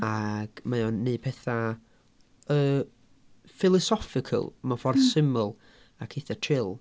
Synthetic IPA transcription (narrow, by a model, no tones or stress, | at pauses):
aɡ̥majɔnːeːpʰɛθa | ə | fɪlˠɔsɔfɪkʰə̰lˠmafɔrðsɪmʊlˠ | akʰeθatʰrɪlˠ